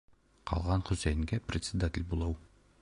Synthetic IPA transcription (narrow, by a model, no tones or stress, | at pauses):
qʰɒ̰lˠʁɑnχɵ̆sæjɘ̆ŋɡæprʲɪt̪sʲɪd̪atʲɪlʲbulˠɤw